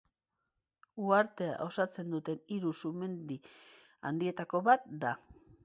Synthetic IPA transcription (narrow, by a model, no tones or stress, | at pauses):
uaɾt̪e̞a̰ʔo̞sat͡se̞nd̪ut̪e̞niɾusume̞nd̪i | a̰nd̪ie̞t̪ako̞βat̪̚d̪a